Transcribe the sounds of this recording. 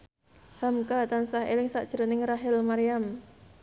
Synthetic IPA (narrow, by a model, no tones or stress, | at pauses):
hamkat̪ansahḛlɪŋsa̰ʔd̥ʒ̥əɾənɪŋraɦɪlmaɾijam